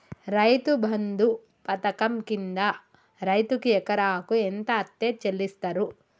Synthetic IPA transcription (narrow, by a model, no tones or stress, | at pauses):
ɾɐjt̪ubʱɐnd̪u | pɐt̪ɐkɐmkind̪ɐ | ɾɐjt̪ukiɛkɐɾaːkuent̪ɐːt̪ːeːt͡ʃelːist̪ɐɾu